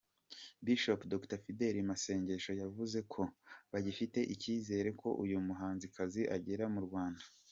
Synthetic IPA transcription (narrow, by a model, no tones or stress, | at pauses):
biʃopdoktafide̞ɾimase̞ːɲɟe̞ʃo̞javuze̞kʰo̞βaɟifite̞ʔiciːze̞ːɾe̞kʰo̞ʔujumuɦaːnzikʰaziʔaɟe̞ɾamuɾɡwaːndḁ